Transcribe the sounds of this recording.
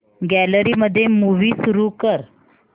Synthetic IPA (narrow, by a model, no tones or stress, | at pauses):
ɡæləɾiːməd̪ʱːjemuʋiːsuɾukəɾ